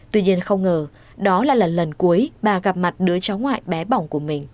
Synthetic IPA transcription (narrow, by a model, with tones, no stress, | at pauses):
t̪wi˧ɲi˧ənxə˧wŋ͡mŋəː˨˩ | ɗɔ˨˦la̰ː˧˨laː˨˩lə˨˩nku˨˦əjɓaː˨˩ɣa˨˩p̚ma˨˩t̚ɗɨ˨˦ət͡ɕɔ˨˦wŋ͡mŋwa̰ː˧˨jɓɛ˨˦ɓa˧˩wŋ͡mku˧˩əmï˨˩ŋ̟